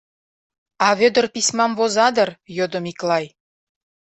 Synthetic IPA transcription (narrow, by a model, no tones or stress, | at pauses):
ɑβød̪ə̆rpismɑmvozɑd̪ə̆rjod̪ə̆miklɑj